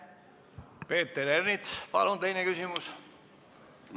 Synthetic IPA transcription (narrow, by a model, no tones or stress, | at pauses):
pe̞ːt̪ːeɾernit̪spɑ̰lunt̪e̞jnekysimus